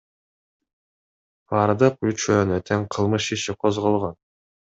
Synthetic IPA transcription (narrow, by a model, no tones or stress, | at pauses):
ɑːɾd̪ɯp̚ut͡ʃønøt̪ʰeŋqʰɯlˠmɯʃiʃiqʰozʁolˠʁon